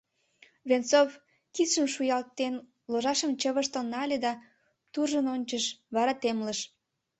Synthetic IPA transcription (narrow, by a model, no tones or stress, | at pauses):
βent͡sov | kit̪ʃəmʃujɑlt̪ːen | loʒɑʃəmt͡ɕəβəʃt̪onɑlʲed̪ɑ | t̪urʒənonʲt͡ɕəʃβɑɾɑt̪emləʃ